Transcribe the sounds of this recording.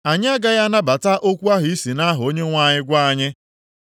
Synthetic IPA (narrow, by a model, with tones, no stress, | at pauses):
a˨ɲɪ˦a˦ɡa˦ja˦na˦ba˨ta˦ʔo˦kʷu˦a˦ɦi˦si˨na˦ɦʊ˨o˦ɲe˦ŋʷa˦˨ɲɪ˦ɡʷa˦a˨ɲɪ˦